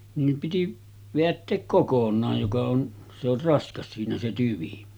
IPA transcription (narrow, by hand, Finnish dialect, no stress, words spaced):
niːm piti ʋeætːeːk kokonˑɑːj jokɑ on se or rɑskɑs siːnæ se tyʋi